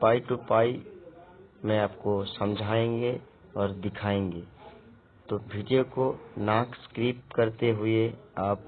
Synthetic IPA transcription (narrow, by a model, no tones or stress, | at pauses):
paːiʈupaːi | mɛ̃aːpkosɐ̃md͡ʒʱaːẽːŋɡe | ɔːɾd̪ɪkʰaːẽːŋɡeː | t̪oʋʱiːɖijokonãːkskɾiːp̚ʈkɐɾt̪eɦʊeaːp̚